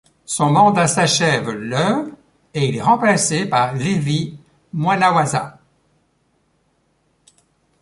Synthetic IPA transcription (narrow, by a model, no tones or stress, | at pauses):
sɔ̃mɑ̃d̪asaʃɛvlœv | eilɛʁɑ̃plasepaʁlevi | mwanawaza̰